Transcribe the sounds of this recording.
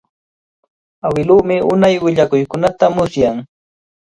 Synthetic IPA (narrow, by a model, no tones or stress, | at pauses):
awɪluːmɪʊnajwɪʎakʊjkʊnat̪amʊsjaŋ